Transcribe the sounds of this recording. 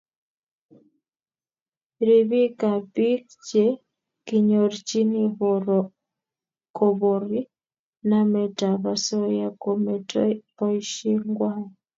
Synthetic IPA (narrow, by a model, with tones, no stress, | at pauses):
ɾi˨βi˦ka˨pi˦k | t͡ʃɛ˦ | ki˨ɲɔ˨ɾt͡ʃi˦ni˦βɔɾɔ | kɔβɔ˨ɾi˦ | na˦mɛ˨ta˨βa˨sɔ˦ja˨kɔmɛtɔpɔ˦i˦ʃi˦ŋɡwa˦